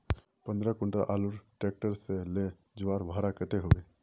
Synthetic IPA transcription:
pə̃nd̪ɾakʊɳʈaʔaːluɾʈeːk̚ʈəɾsele | d͡ʒʊʋaːɾbʱaːɾakət̪eɦoe

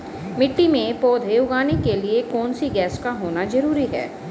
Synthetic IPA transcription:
mɪʈːimẽpɔːd̪ʱeːʊɡaːnekeliekɔːnsiɡɛːskaɦoːnazɐɾuːɾiɦɛ̰ː

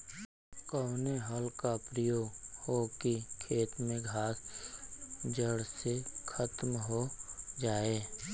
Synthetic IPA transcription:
kəwneɦəlkapɾəjoːɡhokikʰeːt̪mẽɡʱaːs | d͡ʒəɽsekʰət̪mɦod͡ʒaːeː

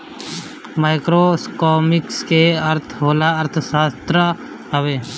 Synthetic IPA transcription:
maːɪkɾoskoːmɪkskeɐɾt̪ʰɦoːlaɐɾt̪ʰʃaːst̪ɾə | ɦəʋeː

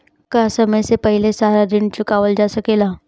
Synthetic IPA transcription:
kasəməjsepəɦilesaɾad̪int͡ɕukaʋəld͡ʑasəkela

